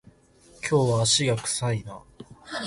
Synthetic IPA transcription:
kʲʰo̞ːβaːɕiɡakɯ̟̥saina

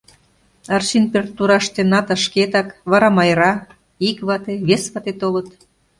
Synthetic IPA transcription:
ɑrʃinpert̪uɾɑʃt̪enɑt̪ɑʃket̪ɑkβɑɾɑmɑjɾɑ | ikβɑt̪eβesβɑt̪et̪olət̪

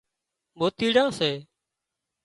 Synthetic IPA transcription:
boːt̪iːɽãːseː

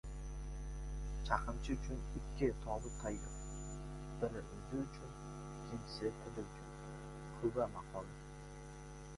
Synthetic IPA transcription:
t͡ʃʰaqʰɨmt͡ʃʰɪʊt͡ʃʰʊnɪkʲːɪt̪ʰɒbɪt̪ʰajːɪq | bɪɾʊd̪ʲɪʊt͡ʃʰʊn | kʲʰɪmsɪt̪ʰɨd̪ɪɾkʲʰʊ | kʰʊbamaqʰɒlˠɪ

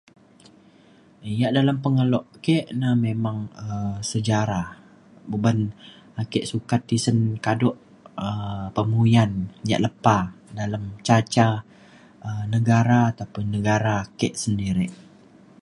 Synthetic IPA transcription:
əjaʔdalampəŋəlɔʔkeʔnamemaŋəmsəd͡ʒaɾa | buban | akɛʔsukat̪ːisənkadɔʔ | əpəmujanja̰ʔləpadalamt͡ʃat͡ʃa | ənəɡaɾaːt̪apənəɡaɾaːkɛʔsəndiɾiʔ

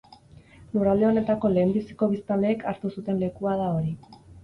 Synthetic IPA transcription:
lurald̪eo̞ne̞t̪ako̞le̞ːmbisi̥ko̞β̞ist̪ale̞ːkʰaɾt̪usut̪e̞nle̞kuað̞ao̞ɾi

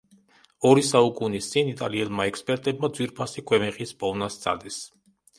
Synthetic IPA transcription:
ɔɾisaukʼunist̪sʼinit̪ʼaliɛlˠmaɛkspʼɛɾt̪ʼɛbmad̪zwiɾpʰasikʰʼwɛmɛqʼispʼɔnast̪sʰʼa̰d̪is

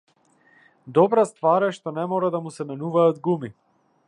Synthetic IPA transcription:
d̪ɔbɾast̪vaɾɛʃt̪ɔnɛmɔɾad̪amusɛmɛnuvaad̪ɡumi

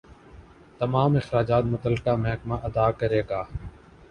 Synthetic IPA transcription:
t̪ɐmaːmɪxɾaːd͡ʒaːt̪mʊt̪əlːkaːmɛɦkmaːʔɐd̪aːkəɾeːɡaː

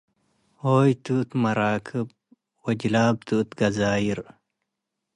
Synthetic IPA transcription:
oːjt̪ut̪mɐɾaːkʰɨb̚ | wɐd͡ʒlaːb̚t̪ut̪ɡɐzaːjiɾ

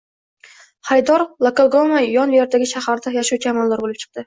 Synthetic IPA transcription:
haɾɪd̪ɒɾlˠakolˠɡomajɒnjeɾd̪aɡʲɪʃahaɾd̪ajaʃuwt͡ʃʰajamɒnlaɾbolɪp̚t͡ʃʰɨ̥q̚d̪̥ɪ

